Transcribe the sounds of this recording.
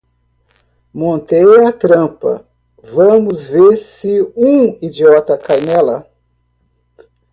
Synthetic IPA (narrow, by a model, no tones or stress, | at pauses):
mõnt̪ejat̪ɾɐ̃pɐ̰ | vɐ̃mʊzveɾsɪũid͡ʒiɔt̪ɐkajmɛlɐ